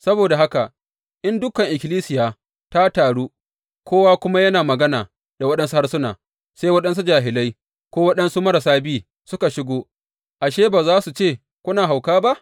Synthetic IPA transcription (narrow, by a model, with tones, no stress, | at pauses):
sɐ˦boː˨da˨ɦa˦ka˨ | ʔɪ˦ndʊ˦kɐ˨ŋʔɪ˨kʲɪ˨liː˦sɪ˨jaː˨ | ta˦taː˨ɽuː˦ | kʷoː˦waː˦kʷʊ˦ma˦jɐ˦naː˨mɐ˨ɡɐ˦naː˨ | da˨wɐ˦ɗɐ˦nsu˦ha˦rsʊ˦na̰ː˨ | sa˦jwɐ˦ɗɐ˦ns̬u˦d͡ʒaː˨ɦɪ˨lɐ˦j | kʷoː˦wɐ˦ɗɐ˦nsu˦mɐ˦ɾɐ˨saː˦biː˦ | sʊ˦ka˨ʃɪ˦ɡʷoː˦ | ʔa˨ʃeː˦baː˨zaː˦su˨t͡ʃeː˦˨ | kʷʊ˦naː˨ɦa˨wkaː˦ba˦ʔ